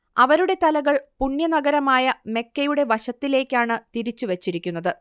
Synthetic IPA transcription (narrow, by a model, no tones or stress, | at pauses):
ɐʋɐɾuɽe̞t̪ɐlɐɣɐɭpunjɐnɐɡɐɾɐmaːjɐme̞kːɐjuɽe̞ʋɐɕɐt̪ːile̞ːkʲːaːɳɨt̪iɾit͡ɕːuʋet͡ɕːiɾikʲːunːɐðɨ